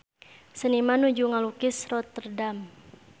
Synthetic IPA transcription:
sənimanud͡ʒuŋalukɪsrɔt̪ːərdam

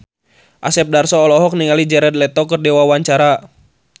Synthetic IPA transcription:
ʔasɛp̚darsɔːlɔɦɔk̚niŋalid͡ʒɛɾɛd̪̚lɛt̪ɔkərdɛwawaɲt͡ʃaɾa

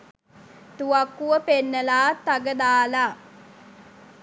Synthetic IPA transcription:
t̪uakːuʋəpenːəlaːt̪ːaɡəd̪aːlaː

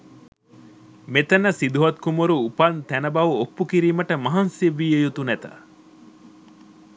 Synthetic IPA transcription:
met̪ɐnəsid̪uɦɐt̪kumuɾuːpɐnt̪ænɐbɐʋuopːukiɾiːmɐʈəmɐɦɐnsiʋːiːejut̪unæt̪ɐ̰

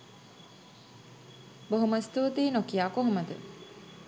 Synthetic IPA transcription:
boɦuməst̪uːt̪iːnokijaːkoɦuməd̪ə̰

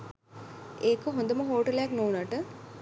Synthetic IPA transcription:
eːkəɦõnd̪əməɦoːʈəlejaknoːnaʈə

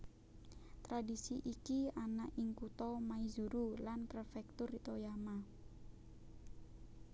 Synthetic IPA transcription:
t̪ɾadisiʔikianaʔiŋkut̪ɔmaizuɾulanpɾəfɛk̚t̪ʊrit̪ojama

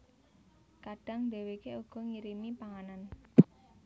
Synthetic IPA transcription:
kaɖ̥a̤ŋd̪e̤wekeuɡ̥ɔ̤ŋiɾimipaŋanan

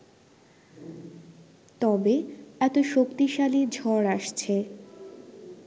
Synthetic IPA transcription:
t̪ɔbeɛt̪oʃokt̪iʃalid͡ʑʱɔɾaʃt͡ɕʰe

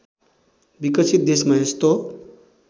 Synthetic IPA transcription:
bikʌsʰit̪̚d̪esmaest̪o

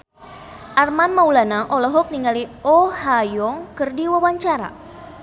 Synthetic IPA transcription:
ʔarmanmaulanaʔɔlɔɦɔk̚niŋaliɔhajɔŋkɨrdiwawaɲt͡ʃaɾa̰

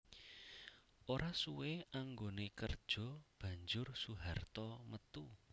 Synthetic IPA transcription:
ʔoɾasuweaŋɡonekərd̥ʒ̥ɔ̤b̥ä̤ɲd͡ʒʊrsuɦart̪ɔmət̪u

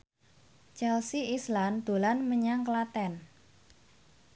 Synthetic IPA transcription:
t͡ʃɛlsiisland̪̥o̤lanməɲaŋklat̪ɛn

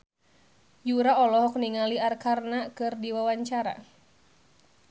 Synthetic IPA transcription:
juɾaɔlɔɦɔk̚niŋaliarkarnakɨrdiwawaɲt͡ʃaɾa̰

